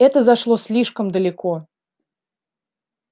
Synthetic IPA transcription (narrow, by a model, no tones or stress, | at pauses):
ɛt̪əzaʂlˠosʲlʲiʂkəmd̪əlʲɪko